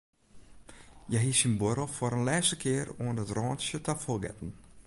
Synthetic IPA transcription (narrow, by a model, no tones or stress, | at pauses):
jɛɦisinboɾəlˠfoɾənlɛːsəkʰɪːroəndətrɔːntsjətafolˠɡɛ̰tn̩